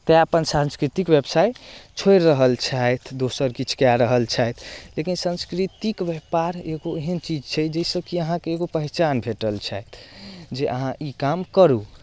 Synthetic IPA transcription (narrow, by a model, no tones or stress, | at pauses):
t̪ɛapənsãnskɾit̪ikʋjebsajt͡ʃʰojɾːəɦəlt͡ʃʰajt̪ʰd̪osəɾkit͡ʃʰu̥kaɾəɦəlt͡ʃʰajt̪ʰlekinsə̃nskɾit̪ikʋjɛpaɾeɡoeɦənt͡ʃid͡ʒt͡ʃʰɛd͡ʒəisəbkiəɦãkeeɡopəɦɛt͡ʃanbʱeʈəlt͡ʃʰajt̪ʰd͡ʒeʔə̰ɦãʔikamkəɾu